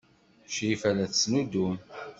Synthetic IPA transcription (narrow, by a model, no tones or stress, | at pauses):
ʃifælæθəsnud̪um